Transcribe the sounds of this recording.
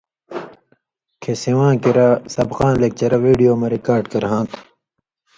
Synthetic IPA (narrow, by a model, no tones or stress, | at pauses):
kʰesiwãːkiɾɐsɐbqãːnlek̚t͡ɕɐɾɐwiːɖijoːmɐɾikaːɾɖkɐɾɦãːt̪ʰ